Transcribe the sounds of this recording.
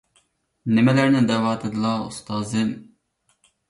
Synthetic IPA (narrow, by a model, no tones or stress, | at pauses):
nɪmɛlɛɾnɪd̪ɛwɑːt̪ʰed̪ɨlˠɑust̪ɑːzɨm